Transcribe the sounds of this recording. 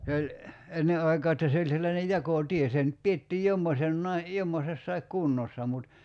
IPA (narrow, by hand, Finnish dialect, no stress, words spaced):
se olʲ enːe ɑikɑː etːæ se olʲ selːɑne jɑkoˑtie se ny̆t pietːiːj jomːosenːɑi jomːosesːɑik kunːosːɑ mut